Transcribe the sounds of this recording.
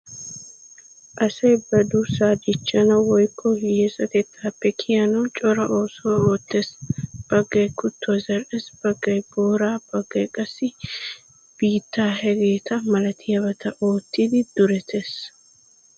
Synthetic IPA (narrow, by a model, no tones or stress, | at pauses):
ʔɐsɐjbɐd̪ʊsaːd̪ɪt͡ʃːɐnɐwɔjkʰːɔjeːsɐket̪ːaːpːɛkʰɪjɐnɔt͡ʃʼɔɾɐʔo̞ːsɔwɐoːt̪ːesb̥ɐɡːɐjkʊt̪ːʊwɐzɐɾɛsb̥ɐɡːɐjboːɾaːb̥ɐɡːɐjkʼɐsːɪ | b̥iːt̪ːaːhɛɡeːt̪ʰɐmɐlɐt̪ʰɪjɐβɐt̪ʰɐʔo̞ːt̪ːid̪ɪd̪̥ʊɾɛt̪ʰeːs